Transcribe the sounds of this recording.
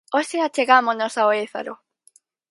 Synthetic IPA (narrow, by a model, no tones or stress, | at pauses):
oseat͡ʃeɣamoznosaoeθa̰ɾo̰